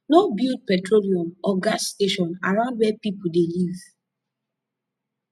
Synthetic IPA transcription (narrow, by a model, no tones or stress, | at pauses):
nobild̚pɛtɹoliɔ̃mɔɡasteʃɔ̃naɹãʊ̃ndwɛpipudeliv